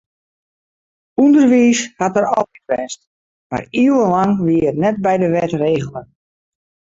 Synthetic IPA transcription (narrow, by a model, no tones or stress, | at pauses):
undərʋiːshatəɾɔlˠitʋɛnst | ma̰riəwənlaŋʋiəətnɛt̚bɛjdəʋɛtreːɣəl̩ˠən